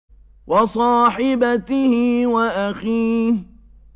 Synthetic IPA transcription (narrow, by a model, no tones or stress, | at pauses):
wɑsˤɑːħɪbat̪ɪhɪwaʔaxiːh